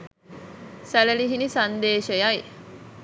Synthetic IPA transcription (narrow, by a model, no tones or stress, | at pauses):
sæleliɦinisɐnd̪eːʃejɐj